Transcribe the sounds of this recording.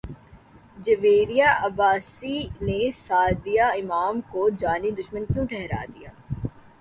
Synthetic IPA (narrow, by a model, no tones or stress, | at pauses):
d͡ʒɐʋeːɾijaːʔɐbaːsinesaːd̪ijaɪmaːmkod͡ʒaːnid̪ʊʃmənt͡ʃũʈʰɛɦɾa̰ːd̪ijaː